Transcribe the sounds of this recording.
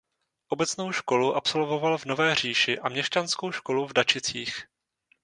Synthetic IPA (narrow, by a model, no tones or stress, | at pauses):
ʔo̞bɛt͡sno̞wʃko̞luʔapso̞lvo̞valvno̞vɛːr̝iːʃɪʔamɲɛst͡ʃansko̞wʃko̞luvdat͡ʃɪt͡siːx